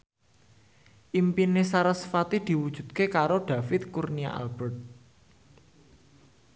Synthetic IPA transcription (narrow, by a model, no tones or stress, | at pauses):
ʔimpinesaɾəsfat̪id̪̥i̤wud̥ʒ̥ṳd̪̥̚kekaɾoɖ̪̥a̤fɪt̪̚kurnia̰ʔa̰lb̥ɛrt̪̚